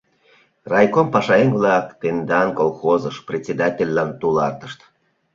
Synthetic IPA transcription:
rɑjkompɑʃɑenvlɑkt̪end̪ɑnkolˠxozəʃprʲet͡sʲed̪atʲelʲːɑnt̪ulɑrt̪ə̥ʃt̪

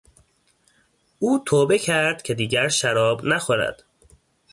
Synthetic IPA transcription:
ʔuːt̪ʰoːbe̞cʰæɾd̪̥cʲʰe̞d̪iːɟæɾʃæɾɒːbnæxoɾæ̰d̪̥

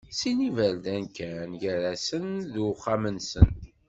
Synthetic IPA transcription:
sinivəɾd̪ænkænʝəɾæsənðuχamənsə̰n

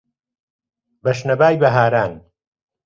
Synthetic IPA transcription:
bɐʃnɐbaːjbɐɦaːɾaːn

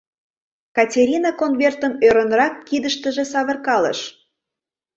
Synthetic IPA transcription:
kɑtʲeɾʲinɑkonβert̪əmøɾənrɑkːid̪əʃt̪əʒĕsɑβə̆rkɑlə̰ʃ

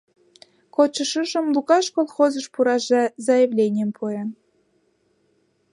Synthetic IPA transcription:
kot͡ɕɤ̆ʃəʒə̆mlˠukɑʃkolˠxozɤ̆ʃpuɾɑʒɑzɑjĕvlʲenʲempʰujɑn

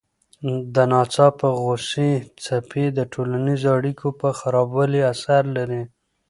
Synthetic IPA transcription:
d̪ənɑt͡sɑpəɣosit͡sapʰed̪əʈʰolanizoaɽikʰopəxaɾɑbwəliasaɾlaɾi

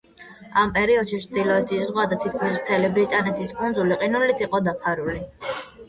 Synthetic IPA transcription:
ampʼɛɾiɔd̪ʃit͡ʃʰd̪ilɔɛt̪ʰizʁwad̪at̪ʰit̪̚ʰkʰmismt̪ʰɛlibɾit̪ʼanɛt̪ʰiskʼund̪zuliqʼinulit̪ʰiqʼɔd̪apʰaɾuli

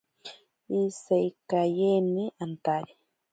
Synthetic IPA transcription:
isajkajeniʔant̪aɾi

